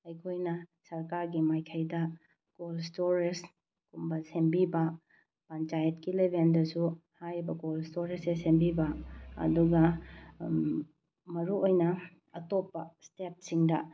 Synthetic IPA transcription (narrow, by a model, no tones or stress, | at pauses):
ɐjkʰojnɐsɐɾkaɾɡimajkʰɐjdɐ | ɡ̥olstoɾes | kumbɐsembibɐ | pɐnt͡ʃajɐtkilebendɐsuhajɾibɐɡolstoɾesesembibɐɐ̰duɡɐ | mɐɾuojnɐ | ɐtopːɐstep̚siŋdɐ